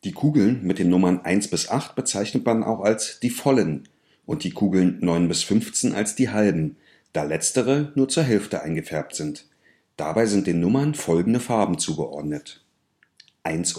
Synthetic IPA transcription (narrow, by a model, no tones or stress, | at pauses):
d̥iːkʰuːɡl̩nmɪt̚d̥eːnːʊmɐnʔa̰ɪnsb̥ɪsʔaχtb̥ət͡saɪçnətmanʔa̰ʊxalsd̥iːfɔlən | ʔʊnt̚d̥iːkʰuːɡl̩nːɔʏnbɪsfʏnft͡seːnʔa̰lsd̥iːɦalbm̩ | d̥aːlɛt͡stəʁ̞ənuːɐt͡suːɐɦɛlftəʔaɪnɡəfɛɐp̚tz̥ɪnt | d̥abaɪzɪnt̚d̥eːnːʊmɐnfɔlɡŋ̩dəfaɐbm̩t͡suːɡəʔɔ̰ɐdnət | ʔaɪns